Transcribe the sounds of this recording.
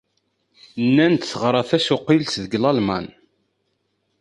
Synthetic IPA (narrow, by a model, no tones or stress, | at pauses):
nːænt̪θəʁɾˤɑθæsʊqːilsðəɡlɑlmɑ̰n